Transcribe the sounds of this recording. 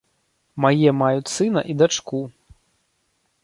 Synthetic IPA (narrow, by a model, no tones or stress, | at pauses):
majɛmajut͡sʲsɨnɐ̰ʔid̪at͡ʂku